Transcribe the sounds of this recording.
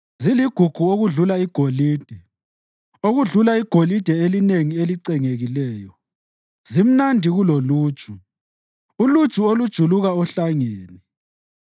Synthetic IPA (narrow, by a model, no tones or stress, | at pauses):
ziliɡ̥ʱuɡ̥ʱuoɣuɮulaiɡ̥ʱoliːd̥ʱɛ | oɣuɮulaiɡ̥ʱolid̥ʱɛelineŋieliǀɛŋeɣilɛːjɔ | zim̩nandʱiɣuloluːd̥t͡ʃʼu | ulud̥ʒ̥ʱuolud̥ʒ̥ʱuluɣaɔɬaŋeːni